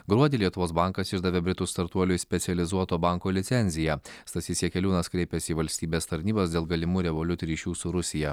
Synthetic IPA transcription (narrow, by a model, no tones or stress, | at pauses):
ɡɾuɔd̪ʲiːlʲiɛt̪ʊʋoːsbɐˑŋkɐsɪʒd̪ɐʋʲeːbʲɾʲɪt̪ʊst̪ɐɾt̪uɔlʲʊɪsʲpʲɛsʲɛlʲɪzuɔt̪oːbɐŋkoːlʲɪt̪sʲɛnʲzʲɪjɛst̪ɐsʲisʲiɛkʲɛlʲuːnɐskɾʲɛɪpʲɛsʲiːʋɐlʲsʲt̪ʲiːbʲeːst̪ɐɾʲnʲiːbɐsd̪ʲeːlˠɡɐlʲɪmuːɾʲɛʋolʲʊt̪ʲʊɾʲiːʃʲuːsʊɾʊsʲɪjɛ